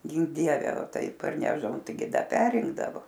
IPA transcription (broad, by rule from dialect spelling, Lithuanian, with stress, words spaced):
ˈɡʲɪŋk ˈdʲiɛʋʲɛ ˈtɐɪ pɐrʲˈnʲæːʒdɐʋoːm tɐɪ ˈɡʲɪ ˈdɐ ˈpʲæːrʲɪŋɡdɐʋoː